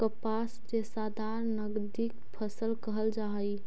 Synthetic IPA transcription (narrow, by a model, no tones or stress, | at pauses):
kəpasd͡ʒesad̪aɾnəɡd̪ik̚pʰəsəlkəɦəld͡ʒaɦəj